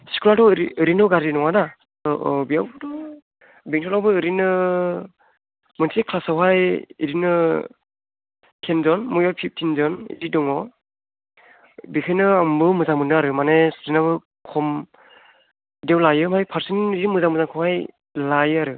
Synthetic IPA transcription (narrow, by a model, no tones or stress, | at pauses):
si̥kʰulatɔɾiɯɾinɔɡaɾinɔŋana | tɔbijawbdɔ | beŋsʰɔlawbɯɯɾinɯ | mɯntʰikʰlasawɦajḭɾinɯ | tʰenzɔnmujawpʰip̚tʰinzɔnḭdidɔŋɔ | bikʰajnɯambɯmɯzaŋmɯnɯaɾɯmanesɾinaβɯ | kʰɔm | dawlajɯmajpʰaɾsiniimɯzamɯzaŋkʰɔwhaj | lajɯaɾɯ